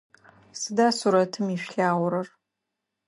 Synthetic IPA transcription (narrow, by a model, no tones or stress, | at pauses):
sɨdaːsuɾɐtʰɨmiʃᶣɬaːʁʷʊɾɐr